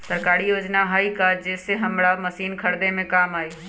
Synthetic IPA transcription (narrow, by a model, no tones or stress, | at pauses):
səɾkaːɾijoːd͡ʒnaɦaikad͡ʒɛːseɦɐmɽamɐsiːnkʰɐɾd̪emẽkaːmaːeː